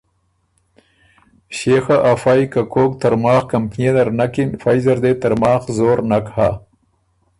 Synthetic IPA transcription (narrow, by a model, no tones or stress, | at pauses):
ɕexaʔafaːjkakoːkt̪aɾmɑːxkampned̪ɐɾnakinfaːjzɐɾd̪et̪aɾmɑːxzoːɾnakha